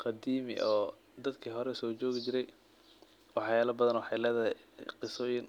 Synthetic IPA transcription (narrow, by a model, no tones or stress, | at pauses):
qɑd̪iːmɪ̰ʔɔː | d̪ɐd̪kʰiɦɔɾɛsɔːt͡ʃɔːɣɪt͡ʃɪɾɛj | wɑħjaːlɐbɐðɐnwɑħɑjlɛːðɐɦɛjqɪsɔːjɪn